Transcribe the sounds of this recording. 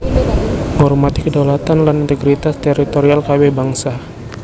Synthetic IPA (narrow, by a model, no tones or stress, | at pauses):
ŋɔrmat̪ikədalat̪anlanint̪əɡɾit̪ast̪ɛɾit̪oɾialkawɛbaŋsa